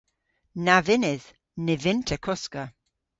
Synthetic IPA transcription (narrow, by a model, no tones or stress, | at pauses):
navɪnɪð | nɪvɪntʰəkʰɔskə